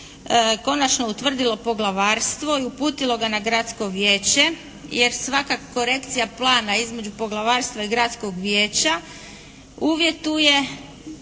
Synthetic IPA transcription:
ko̞nat͡ʃnout̪ʋr̩d̪ilo̞po̞ɡlˠaʋaːɾst̪ʋo̞iupuːt̪ilˠo̞ɡanaɡɾat̪sko̞ʋje̞ːt͡ɕe̞ | je̞ɾsʋakako̞ɾe̞kt̪sijaplˠaːnaizme̞d͡ʒupo̞ɡlˠaʋaːɾst̪ʋaiɡɾat̪sko̞ɡʋje̞ːt͡ɕa | uːʋje̞t̪uje̞

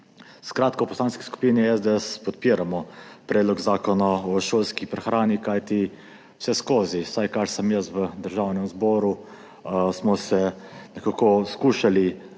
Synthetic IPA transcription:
skɾaːt̪kowpɔslaːnski̥sku̥piniɛzd̪eɛspɔt̪̚piːɾamɔpɾed̪lɔɡzaːkɔnaɔʃoːlskipɾɛxɾaːnikajt̪i | wsɛskoːziwsajkaɾsəmjəsʋəd̪əɾʒawnɛmzbɔːɾu | smɔsɛ | nɛkakɔskuːʃali

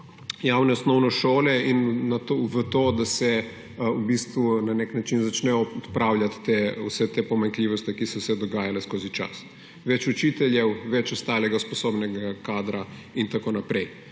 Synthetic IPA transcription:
jaːwnɛɔsnɔwnɔʃoːlɛinːat̪oʋət̪oːd̪asɛ | ubiːst̪ʋunaneknat͡ʃinzat͡ʃnɛjɔt̪pɾawljat̪ːeṵsɛt̪epɔmaŋkliːʋɔst̪ikisɔwsɛd̪ɔɡaːjalɛskoːzit͡ʃa̰s | ʋɛt͡ʃut͡ʃit̪ɛljɛwʋɛt͡ʃɔst̪aːlɛɡaspɔsoːbnɛɡakaːd̪ɾa | int̪akoːnapɾɛj

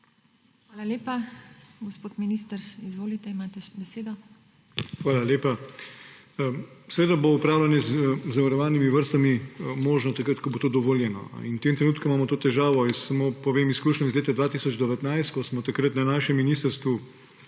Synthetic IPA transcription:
xʋaːlaleːpaɡɔspoːt̪minist̪əɾizʋoːlit̪ɛimaːt̪ɛbɛseːd̪ɔ | xʋaːlaleːpa | sɛʋeːd̪aboupɾaːwlʲanjɛzzaʋaɾɔʋaːnimiʋəɾst̪amimoːʒnɔt̪akɾət̪kɔbot̪oːd̪ɔʋoːljɛnɔ̰int̪eːmt̪ɾɛnuːt̪̚kuimaːmɔt̪oːt̪ɛʒaːʋɔisamoːpɔʋeːmiskuːʃnɔizleːt̪ad̪ʋaːt̪isɔd͡ʒd̪ɔʋɛt̪najst̪kɔsmɔt̪akɾət̪nanaːʃɛmːiniːst̪əɾst̪ʋu

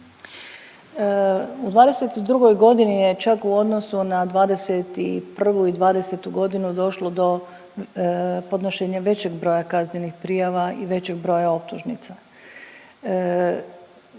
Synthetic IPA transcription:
ud̪ʋaːd̪e̞set̪id̪ɾuɡo̞jɡo̞d̪inije̞t͡ʃakuo̞d̪nosunad̪ʋaːd̪e̞set̪ipr̩ʋuid̪ʋaːd̪e̞set̪uɡo̞d̪inud̪o̞ʃlo̞d̪o̞ | po̞d̪noʃe̞ːɲaʋe̞t͡ɕeɡbɾo̞ːjakazɲenixpɾijaʋaḭʋe̞t͡ɕe̞ɡ̚bɾo̞ːjao̞p̚t̪uʒnḭt̪sa

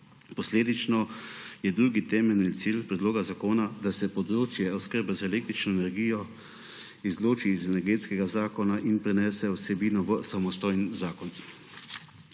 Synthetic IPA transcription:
pɔsleːd̪it͡ʃnɔjɛd̪ɾuːɡit̪ɛːmɛlnit̪silpɾɛd̪loːɡazakoːnad̪asɛpɔd̪ɾoːt͡ʃjɛɔskəɾbɛzaɛleːk̚t̪ɾit͡ʃnɔɛnɛɾɡiːjɔ | izloːt͡ʃiːzɛnɛɾɡeːt̪skɛɡazaːkɔnaʔinpɾɛnɛːsɛɔsɛbiːnɔʋəsamɔst̪ɔːjnzaːkɔn

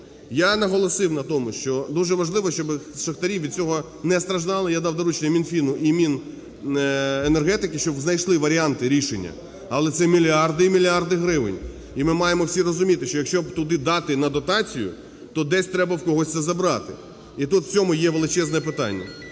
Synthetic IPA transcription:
janɐɦɔlˠɔsɪwnɐt̪ɔmʊʃt͡ʃɔd̪uʒɛʋɐʒlˠɪʋɔʃt͡ʃɔbɪʃɐxt̪ɐɾʲiwʋʲid̪̚t͡sʲɔɦɔ | nɛst̪ɾɐʒd̪ɑlˠɪjad̪ɑwd̪ɔɾut͡ʃnʲɛmʲinfʲinʊʔimʲin | enerɦɛt̪ɪkɪʃt͡ʃɔbznɐjʃlˠɪʋɐɾʲiɑnt̪ɪɾʲiʃenʲːɐ̰ | ɐlˠɛsɛmʲilʲɑrd̪ɪimʲilʲɑrd̪ɪɦɾɪʋɪ̰nʲ | imɪmɑjemɔwsʲirɔzʊmʲit̪ɪʃt͡ʃɔjɐkʃʲt͡ʃɔbt̪ʊd̪ɪd̪ɑt̪ɪnɐd̪ɔt̪ɑt͡sʲijʊ̰ | t̪ɔd̪ɛsʲt̪ɾɛbɐwkɔɦɔsʲsɛzɐbɾɑt̪ɪ | it̪ut̪w̥t͡sʲɔmʊjɛʋelˠɪt͡ʃɛznɛp̬ɪt̪ɑ̰nʲːɐ̰

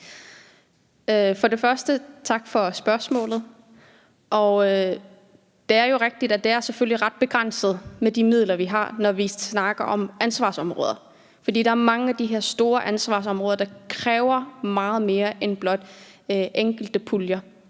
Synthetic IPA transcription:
fɒ̽ɾe̝fɶɐsd̥ət͡sʰɑ̈ɡ̥fɒ̽sb̥ɶɐsmɔ̰̽ːlð̩ˠ | ʔɒ | d̥e̝æɐjo̝ʁeɡ̥̚d̥id̥æd̥e̝æɐseføl̰liʁɑd̥̚b̥e̝ɡ̥ʁan̰səð̞̩ˠmed̥imið̞̰ˠlɐʋiɦɑ̈nɒʋisnɑ̈ɡ̥ɐʔɒ̽mænsʋɑ̰̈sɒ̽mʁɔ̽ːð̞ˠɐ | fɒ̽d̥ḭːd̥ɑ̈æɐmɑ̈ŋəæd̥iɦe̝ɐ̰sd̥o̝ːɐʔænsʋɑ̰̈ːs̬ɒ̽mʁɔːðˠɐd̥ɑ̈kʰʁɛːʊɐmɑ̈ːð̞̩ˠme̝ːɐʔenb̥lɒ̽d̥ | øʔeŋ̰ɡ̥l̩d̥əpʰuljɐ

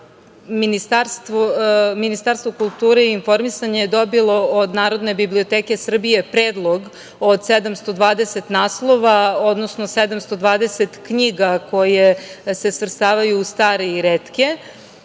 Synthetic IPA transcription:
minist̪aɾst̪ʋominist̪aːɾst̪ʋokulˠt̪uːɾeiiːnfo̞ɾmisaɲejed̪o̞bilˠo̞od̪naːɾo̞d̪ne̞bibliot̪eːke̞sr̩bije̞pɾeːd̪lˠo̞ɡ | od̪sed̪amst̪o̞d̪ʋaːd̪ese̞t̪naːslˠo̞ʋao̞d̪no̞sno̞sed̪amst̪o̞d̪ʋaːd̪e̞set̪kɲiɡako̞jese̞svr̩st̪aːʋajuːst̪aːɾeiɾet̪ke̞

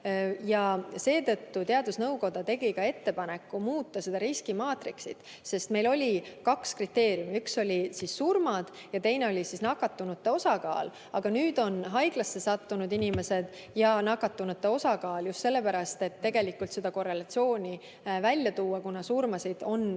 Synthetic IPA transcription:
jɑse̞ːt̪ɤ̞t̪ːut̪eɑd̪usnɤwko̞d̪̥ɑt̪e̞ɡ̥ikɑe̞t̪ːe̞pɑne̞kːumuːt̪ːˑɑse̞d̪ɑɾiskimɑːt̪riksid̪̥ | se̞st̪me̞jlo̞lʲikɑkskrit̪ːe̞ːɾjumiykso̞lʲisisːurmɑd̪̥ | jɑt̪e̞jne̞o̞lʲisisnɑkːɑt̪ːunut̪ːeo̞sɑkɑ̰ːl | ɑɡ̥ɑnyːd̪̥o̞nɦɑjɡ̥lɑsːe̞sɑt̪ːunud̪inʲime̞se̞d̪̥ | jɑnɑkːˑɑt̪ːunut̪ːeo̞sɑkɑːljust̪se̞lːe̞pæɾɑst̪e̞t̪ːe̞ɡ̥e̞likːˑult̪se̞d̪̥ɑko̞re̞lɑt̪sio̞ːnʲi | vælʲjɑt̪uːɑkunɑsurmɑsid̪̥o̞n

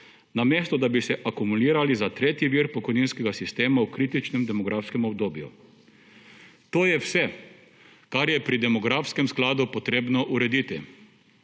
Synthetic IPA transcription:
nameːst̪ɔd̪abisɛʔakumuliːɾalizat̪ɾeːt̪jiʋiːɾpɔkɔjniːnskɛɡasist̪eːmaukɾiːt̪it͡ʃnɛmd̪ɛmɔɡɾʔaːfskɛmɔbd̪oːbjṵ | t̪oːjɛwsɛ | kaɾjɛpɾid̪ɛmɔɡɾaːfskɛmsklaːd̪upɔt̪ɾeːbnɔʔuɾɛd̪it̪i

